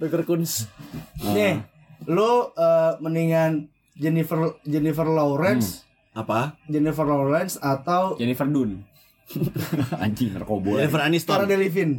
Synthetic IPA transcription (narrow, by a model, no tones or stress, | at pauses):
dɔt̪ərkuns | nɛ | luəməniŋan | d͡ʒɛnifərd͡ʒɛnifərloɾɛns | ʔapad͡ʒɛnifərloɾɛnsat̪awd͡ʒɛnifərdun | a̰d͡ʒimərkobod͡ʒɛnifəɾanist̪aɾadelifɪn